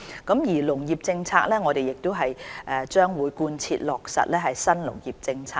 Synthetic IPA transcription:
kɐ˨˥mjiː˨˩lʊ˨˩ŋjiː˨˩p̚t͡sɪ˧ŋt͡sʰa̰ː˧k̚lɛː˥ŋɔː˨˧ɾe˨jɪ˨k̚t̪o˥wɦɐ˨jʔɛː˨˩t͡ʃœː˥ŋwuː˨˧jkuː˧nt͡sʰḭː˧t̚lɔː˨k̚sɐ̰˨t̚lɛː˥ɦɐ˨jsɐ˥nlʊ̰˨˩ŋjiː˨˩p̚t͡sɪ˧ŋt͡sʰaː˧

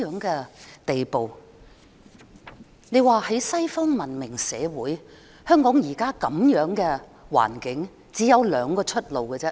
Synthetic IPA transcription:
œː˨˥ŋkɛː˧t̪e˨jpo˨w | ne˨˧jwaː˨˩hɐ˨˥jsɐ˥jfɔː˥ŋmɐ˨˩nmɪ˨˩ŋsɛ̰ː˨˧wuː˨˥j | hœː˥ŋkɔː˨˥ŋjiː˨˩kaː˥kɐ˨˧mjœː˨˥ŋkɛː˧ | wa̰ː˨˩nkɪ˨˥ŋ | t͡siː˨˥jɐ˨˧wlœː˨˧ŋkɔː˧t͡ʃʰɵ˥t̚lo˨wkɛː˧t͡sɛː˥

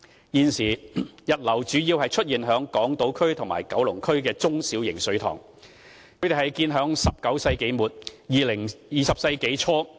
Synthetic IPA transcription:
jiː˧nsiː˨˩jɐ˨˩t̚lɐ˨˩wt͡ʃyː˨˧ji˧whɐ˨jt͡ʃʰɵ˥t̚jiː˨˩nɦœː˨˧˥ŋkɔː˨˥ŋt̪o˨˥wkʰɵ˥ɥt̪ʰʊ˨˩ŋma̰ː˨˩jkɐ˨˥wlʊ˨˩ŋkʰɵ˥ɥkɛː˧t͡sʊ˥ŋsiː˨˥wjɪ˨˩ŋsɵ˨˧ɥt̪ʰɔ̰ː˨˩ŋ | kʰɵ˧ɥt̪e˨˩hɐ˨jkiː˧nɦœː˨˥ŋsɐ˨p̚kɐ˨˥wsɐ˧jke˨˥jmuː˨˩t̚jiː˨lɪ˨˩ŋjiː˨sɐ˨p̚sɐ˧jke˨˥jt͡ʃʰɔː˥

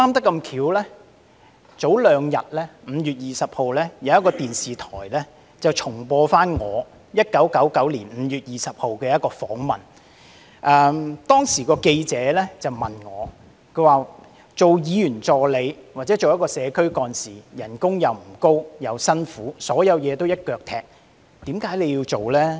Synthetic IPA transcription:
saː˥mt̪ɐ˥kːɐ˧mkʰiː˨˧˥wlɛː˥ | t͡so˨˥wlœː˨˧ŋjɐ˨t̚lɛː˥m̩ː˨˧jyː˨t̚jiː˨sɐ˨p̚ho˨wlɛː˥jɐ˨˧wjɐ˥t̚kɔː˧t̪iː˨nsiː˨t̪ʰɔː˨˩jlɛː˥ | t͡sɐ˨˩wt͡ʃʰʊ˨˩ŋpɔː˧faː˥nŋɔː˨˧ | jɐ˥t̚kɐ˨˥wkɐ˨˥wkɐ˨˥wliː˨˩nm̩ː˨˧jyː˨t̚jiː˨sɐ˨p̚ho˨wkɛː˧jɐ˥t̚kɔː˧fɔː˨˥ŋmɐ̰˨˩n | ʔɛː˨˧t̪ɔː˥ŋsiː˨˩kɔː˧ke˧jt͡sɛː˨˧˥lɛː˥t͡sɐ˨wmɐ˨nŋɔː˨˧ | kʰɵ˨˧˥waː˨˩ | t͡so˨wjiː˨˧jyː˨˩nt͡sɔː˨le˨˧jwaː˨t̚t͡sɛː˨˥t͡so˨wjɐ˥kɔː˧sɛː˨˧kʰɵ˥ɥkɔː˧nsiː˨jɐ˨˩nkʊ˥ŋjɐ˨˧wm̩˨˩ko˥wjɐ˨˧wsɐ˥nfuː˨˦˥sɔː˨˥jɐ˨˧wjɛː˨˧t̪o˥wjɐ˥t̚kœː˨˧k̚t̪ʰɛː˧k̚ | t̪iː˨˥mkaː˨˥jle˨˧ji˧wt͡so˨wlɛː˥

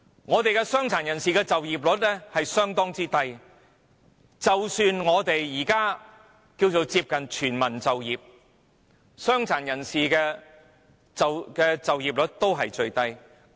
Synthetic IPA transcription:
ŋɔː˨˧t̪e˨jkɛː˧sœː˥ŋt͡sʰaː˨˩njɐ˨˩nsiː˨kɛː˧t͡sɐ˨wjiː˨p̚lɵ˨˥t̚lɛ˥hɐ˨jsœː˥ŋt̪ɔː˥ŋt͡siː˥t̪ɐ˧j | t͡sɐ˨wsyː˧nŋɔː˨˧t̪e˨jːiː˨˩kaː˥ | kiː˧wt͡so˨˧wt͡siː˧p̚kɐ˨nt͡ʃʰyː˨˩nmɐ˨˩nt͡sɐ˨wjiː˨p̚ | sœː˥ŋt͡sʰaː˨˩njɐ˨˩nsiː˨kɛː˧ | t͡sɐ˨wkɛː˧t͡sɐ˨wjiː˨p̚lɵ˨˥t̚t̪o˥wɦɐ˨jt͡ʃɵ˧ɥt̪ɐ˧j

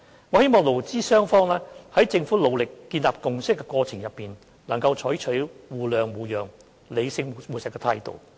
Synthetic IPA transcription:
ŋɔː˨˧he˥jmɔː˨ŋlo˨˩wt͡siː˥sœː˥ŋfɔː˥ŋlɛː˥hɐ˨˥jt͡sɪ˧ŋfuː˨˥lo˨˧wlɪ˨kːiː˧nlaː˨p̚kʊ˨ŋsɪ˥kːɛ˧kʷɔː˧t͡sʰɪ˨˩ŋjɐ˨pːiː˨n | lɐ˨˩ŋkɐ˧wt͡ʃʰɔː˨˥jt͡ʃʰɵ˨˥ɥwuː˨˩lœː˨ŋwuː˨˩jœː˨ŋ | le˨˧jsɪ˧ŋ˨muː˨sɪ˨kːɛ˧t̪ʰaː˧jt̪o̰˨w

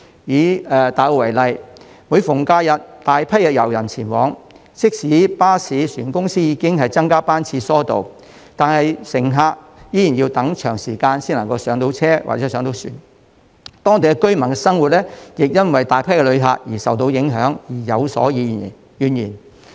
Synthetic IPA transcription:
jiː˨˥ɛː˨˧t̪aː˨jwo˧˩wɐ˨˩jlɐ˨j | mu˨˧jfʊ˨˩ŋkaː˧jɐ˨t̚t̪aː˨jpʰɐ˥jɐ˨jɐ˨˩wjɐ˨˩nt͡sʰiː˨˩nwɔː˨˧˥ŋ | sɪ˥k̚siː˨˥paː˥siː˨˧syː˨˩nkʊ˥ŋsiː˥jiː˨˧kɪ˥ŋɦɐ˨jt͡sɐ˥ŋkaː˥paː˥nt͡sʰiː˧sɔː˥t̪o̰˨w | t̪aː˨˧nhɐ˨jsɪ˨˩ŋɦaː˧k̚ | jiː˨˥jiː˨˩njiː˧wt̪ɐ˨˥ŋt͡ʃʰœː˨˩ŋsiː˨˩kaː˧nsiː˥nlɐ˨˩ŋkɔ˧wsœː˨˥ŋt̪o˨˥wt͡sʰɛː˥wa̰˨˩ɛ˧˥sœː˨˥ŋt̪o˨˧wsy̰ː˨˩n | t̪ɔː˥ŋt̪e˨kɛ˧˥kɵ˥ɥmɐ˨˩nkɛ˧sɐ˥ŋwu˨t̚lɛː˥jɪ˨k̚jɐ˥nwɐ˨jt̪aː˨jpʰɐ˥jkɛ˧lɵ˨˧ɥɦa̰ː˧k̚jiː˨˩sɐ˨wt̪̬o˧˥wjɪ˨˥ŋɦœː˨˥ŋjiː˨˩jɐ˨˧wsɔ̰ː˨˥jiː˨˧˨ | jyː˨njiː˨˩n

